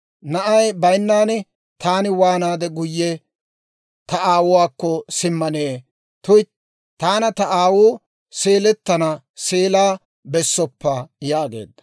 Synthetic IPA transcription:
nɐʔɐjbɐjnːaːn | t̪ʰaːnɪwaːnaːd̪ɛɡʊjːɛ | t̪ɐʔaːwʊwaːkːɔsɪmːɐneː | t̪ʊj | t̪aːnɐt̪ɐaːwʊː | seːlɛt̪ːɐnɐ | seːlaː | bɛsːɔpːajaːɡḛːd̪ːɐ̥

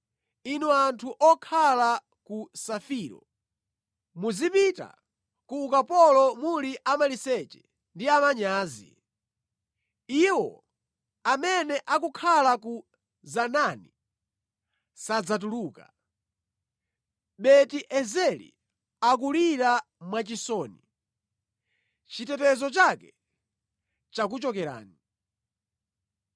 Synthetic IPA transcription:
inuantʰuʔɔkʰala | kusafiːɾɔ̰ | muzipita̰ | kuːkapɔlɔmuliʔamalisɛt͡ʃɛ̥ | ndiamaɲaːzḭ | iwɔ̰ | amɛnɛʔakukʰalaku | zanani | sad͡zat̬uluːka̰ | ɓɛtiʔɛzɛlḭ | ak̬uliɾa | mwat͡ʃisɔːni | t͡ʃitɛtɛzɔt͡ʃakɛ | t͡ʃak̬ut͡ʃɔkɛɾa̰ːni

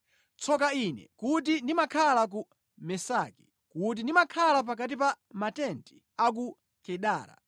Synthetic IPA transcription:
t͡sʰɔkainɛ̰kut̬indimakʰalak̬u | mɛsaki̥ | kut̬indimakʰalap̬ak̬at̬ipa | matɛnti | ak̬u | kɛɗa̰ːɾa̰

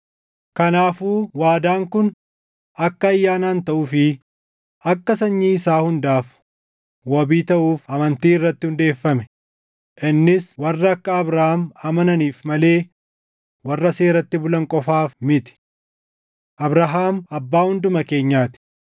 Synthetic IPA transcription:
kɐnaːfuːwaːd̪aːŋkʊn | ɐkːɐːjːaːnaːnt̪ɐʔʊfɪ | ɐkːɐsɐɲːiːɪsaːhʊnd̪aːf | wɐbiːt̪ɐʔuːfɐmɐnt̪iːɪrːɐt̪ːɪhʊnd̪e̞ːfːɐmɛ̥ | ʔɪnːɪswɐrːɐːkːɐːbɾɐhaːmɐmɐnɐniːfmɐle̞ː | wɐrːɐse̞ːɾɐt̪ːɪbʊlɐŋkʼɔfaːfmɪt̪ɪ̥ | ʔɐbɾɐɦaːmɐbːaːhʊnd̪ʊmɐke̞ːɲːaːt̪ɪ̥

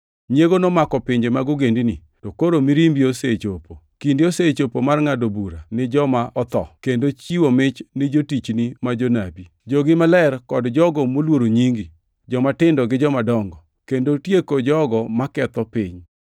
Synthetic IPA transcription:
ɲjeɡonɔmakɔpɪɲd͡ʒemaɡʊɡendini | tokoɾomiɾimbioset͡ʃopo | kindɪoset͡ʃopomarŋadobuɾa̰nɪd͡ʒɔmaʔɔt̪ɔ̰kendot͡ʃiwomɪt͡ʃnɪd͡ʒotit͡ʃnimad͡ʒonabi | d͡ʒoɡɪmalɛrkɔdd͡ʒɔɡɔmolwoɾoɲiŋɡi | d͡ʒɔmatɪndɔɡɪd͡ʒɔmadɔŋɡɔ | kendotjekod͡ʒɔɡɔmakɛt̪ɔpɪɲ

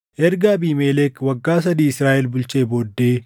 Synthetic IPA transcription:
ʔɛɾɡabiːmeːlekwɐɡːaːsɐd̪iːɪsɾaːʔɛlbʊlt͡ʃe̞ːboːd̪ːe̞ː

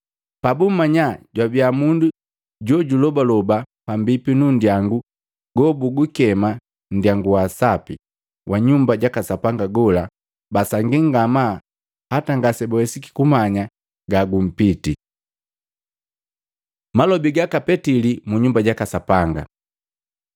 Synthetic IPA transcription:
pabum̩maɲaɟwabjamundu | ɟɔɟulɔbalɔba | pambipinun̩djaŋɡu | ɡɔbuɡukɛma | n̩djaŋɡuwasapi | wʔaɲumbaɟakasapaŋɡaɡɔla | basaŋɡiŋɡama | hataŋɡasɛbɔwɛsiki̥kumaɲa | ɡaɡum̩piti | malɔbiɡakapɛtilimuɲumbaɟakasapaŋɡa̰

